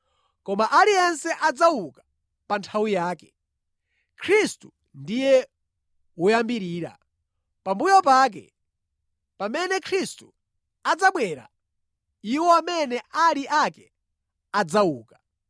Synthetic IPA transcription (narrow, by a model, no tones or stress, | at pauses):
kɔmaʔaliɛnsɛʔad͡zawukḁ | pantʰawijaːkɛ̥ | kʰɾistu | ndijɛ | wujambiɾiːɾa̰ | pambujɔpaːk̬ɛ̰ | pamɛnɛkʰɾistu̥ | ad͡zaɓwɛɾa̰ | iwɔamɛnɛʔaliʔakɛ | ad͡zauːkḁ